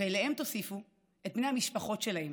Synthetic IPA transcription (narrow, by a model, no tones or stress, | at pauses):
elehe̞mt̪o̞sifu | e̞t̪̚mnehamiʃpɐχo̞tʃelahem